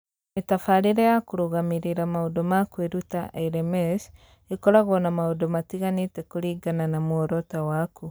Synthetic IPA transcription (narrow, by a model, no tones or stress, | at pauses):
metafaɾeɾɛjakoɾoɣamiɾeɾamaodɔmakweɾuta̰ʔɛɾɛmɛs | ekɔɾaɣɔnamaodomatiɣanetɛkoɾiɡananamoɔɾɔtawaku